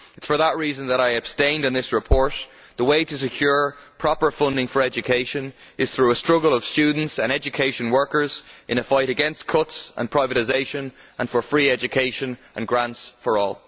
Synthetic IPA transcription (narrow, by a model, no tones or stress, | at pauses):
ɪtsfə˞ðəʔ̚ɹiːzə̃nðəɾaɪəb̥stẽɪ̃ndɨ̃nðɪsɹɪpʰɔɹt | ðəweɪɾəs̬ɨkʰj̥ʊɹpʰɹ̥ɑpə˞fʊ̃ndɪ̃ŋfə˞ɛd͡ʒɨkʰeɪʃə̃n | ɪz̥θɹuəstɹ̥ʊɡəlˠəv̥st͡ʃʉːdⁿn̩tsə̃ñɛd͡ʒɨkʰeɪʃə̃nwɜ˞kə˞zʔɪ̃ñəfaɪɾɨɡɛ̃nskʰʊtsʔə̰̃npʰɹ̥aɪvəɾɪzeɪʃə̃nʔə̃nfə˞fɹiːɛd͡ʒɨkʰeɪʃə̃nʔə̃nɡɹãntsfə˞ɔ̰ːlˠ